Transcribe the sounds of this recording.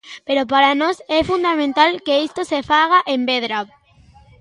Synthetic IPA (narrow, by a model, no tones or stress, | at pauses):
peɾopaɾanɔsɛfund̪amẽnt̪alkeist̪osefaɣaʔembeðɾa